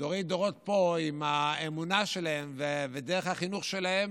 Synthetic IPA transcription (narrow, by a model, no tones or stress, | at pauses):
doʁid̪oʁo̞t̪po̞imaemunaʃelahemvevedeʁeχhaχinuχʃelahem